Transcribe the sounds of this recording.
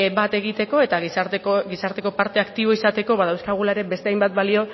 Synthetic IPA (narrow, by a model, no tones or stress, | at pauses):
bat̪e̞ɣ̞it̪e̞ko̞e̞t̪aɣisat̪oɡisaɾt̪e̞ko̞paɾt̪e̞akt̪iβ̞o̞isat̪e̞ko̞βaðawskaɣ̞ulaeɾe̞be̞st̪eajmbat̪̚balio̞